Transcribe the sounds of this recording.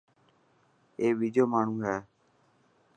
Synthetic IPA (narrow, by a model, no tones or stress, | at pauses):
eːʋiːd͡ʒoːmaːɳ̤ũːɦɛː